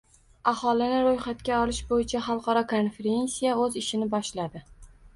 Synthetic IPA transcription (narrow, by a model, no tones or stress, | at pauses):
ahɒlɪnɪɾojχat̪kʲaɒlɪʃbojɪt͡ʃʰaχɑlˠqʰɒɾɒkʰonfeɾe̞nsijaɵzɪʃɪnɪbɒʃlad̪ɪ